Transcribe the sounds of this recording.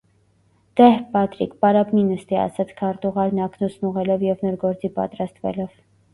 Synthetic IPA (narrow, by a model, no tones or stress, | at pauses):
d̪̥ɛhpɑt̪ɾikpɑɾɑpninəst̪iɑ̰sɑt͡sʰkʰɑɾt̪uʁɑɾnɑkʰnusnuʁɛlɔvjɛvnɔɾɡɔɾt͡sipɑ̰t̪ɾɑst̪vɛ̰lɔv